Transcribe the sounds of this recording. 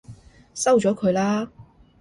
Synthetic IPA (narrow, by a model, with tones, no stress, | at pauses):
sɐ˥wt͡ʃɔː˨˥kʰɵ˨˧ɥlaː˥